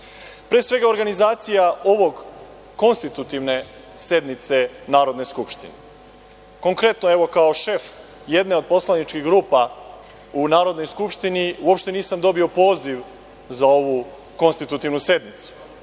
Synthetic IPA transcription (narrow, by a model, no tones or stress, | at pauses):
pɾeːsʋe̞ɡao̞ɾɡanizaːt̪sijao̞ʋo̞ɡː | o̞nst̪it̪ut̪iʋne̞ | se̞d̪nit̪se̞naːɾo̞d̪neskupʃt̪ḭne | ko̞ŋkɾe̞t̪no̞eʋo̞kao̞ʃe̞f | je̞d̪ne̞o̞d̪̚po̞slˠanit͡ʃkiɡɾuːpa | unaːɾo̞d̪no̞jskupʃt̪iniuo̞pʃt̪e̞niːsamd̪o̞bio̞po̞ːziʋ | zao̞ʋu | ko̞nst̪it̪ut̪iʋnuse̞d̪nit̪su̥